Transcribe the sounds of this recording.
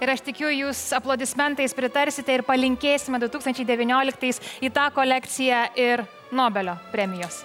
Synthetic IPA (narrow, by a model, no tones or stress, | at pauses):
ɪɾɐʃt̪ʲɪkʲuːjʊjuːsɐplˠoːd̪ʲɪsʲmʲɛnt̪ɐɪspʲɾʲɪt̪ɐɾʲsʲɪt̪ʲɛɪɾpɐlʲɪŋʲkʲeːsʲɪmʲɛd̪ʊt̪uːkst̪ɐnʲt͡ʃʲɛɪd̪ʲɛʋʲɪnʲoːlʲɪkt̪ɐɪsiːt̪ɑːkoːlʲɛkt̪sʲɪjæɪɾ | noːbʲɛlʲoːpʲɾʲɛmʲɪjoːs